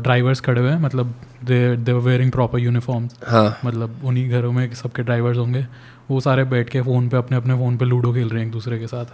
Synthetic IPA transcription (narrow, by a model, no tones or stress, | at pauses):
ɖɾaːɪʋəɾzkʰɐɽeɦɛ̃ːmɐt̪ləbd̪eːd̪eːʋeːɾɪ̃ŋɡpɾɔːpəɾjuːnɪfɔːɾmzhãːmɐt̪ləbʊnɦiɡʱɐɾõmẽsɐb̚keɖɾaːɪʋəɾzɦõːŋɡeː | ʋosaːɾebɛːʈʰkefoːnpeɐpneɐpnefoːnpeluːɽõkʰeːlɾɐɦɛ̃eːk̚d̪uːsɾekesaːt̪ʰ